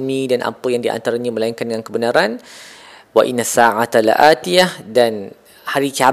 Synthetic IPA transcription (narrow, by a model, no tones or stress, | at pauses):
mĩdanʔa̰pəjaŋdiʔa̰nt̪aɾaɲaməlaiŋkandəŋankəbənaɾan | wa̰ʔinːasaʕat̪alʔa̰t̪ijahdan | haɾikia